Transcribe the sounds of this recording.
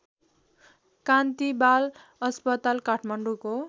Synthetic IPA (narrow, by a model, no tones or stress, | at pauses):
kant̪ibal | ʌspʌt̪alkaʈʰmaɳɖuko